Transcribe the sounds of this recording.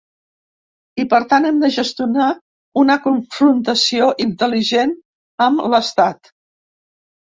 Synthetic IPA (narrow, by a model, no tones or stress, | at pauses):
ipəɾt̪anɛmd̪əʒəst̪juna | unəkuɱfɾunt̪əsioʔint̪əliʒen | əmləst̪at̪